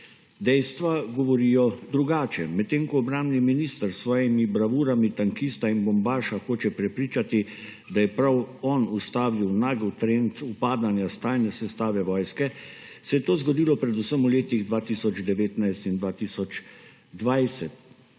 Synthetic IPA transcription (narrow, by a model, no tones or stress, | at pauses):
d̪ɛjst̪ʋaɡɔʋɔɾiːjɔd̪ɾuɡaːt͡ʃɛmɛt̪ːeːŋkɔːbɾambniminiːst̪əɾsʋɔːjɛmibɾaʋuːɾamit̪aŋkist̪ainbɔmbaːʃaxoːt͡ʃɛpɾɛpɾiːt͡ʃat̪i | d̪ajɛpɾawɔnust̪aːʋiwnaːɡəwt̪ɾent̪upaːd̪anjast̪aːjnɛsɛst̪aːʋɛʋɔːjskɛ | sɛjɛt̪oːzɡɔd̪iːlɔpɾɛd̪usəmuleːt̪iɣd̪ʋaːt̪iːsɔd͡ʒd̪ɛʋeːt̪najst̪ind̪ʋaːt̪isɔd͡ʒ | d̪ʋajsɛt̪